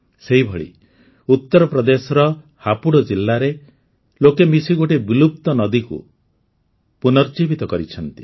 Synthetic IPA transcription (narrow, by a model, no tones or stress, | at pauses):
seɦibʱɔɭḭ | ut̪ːɔɾɔpɾɔd̪esɔɾɔ | hapuɽɔd͡ʒilːaɾe | lokemisiɡoʈebilup̚t̪ɔnɔd̪ikṵ | punɔɾd͡ʒibʱit̪ɔkɔɾit͡ʃʰɔnt̪i̥